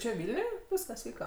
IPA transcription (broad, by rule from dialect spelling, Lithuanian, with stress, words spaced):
t͡ʃʲɛ ˈʋʲɪlʲnʲʊj ˈʋʲiːskɐs ˈʋʲiːkɐ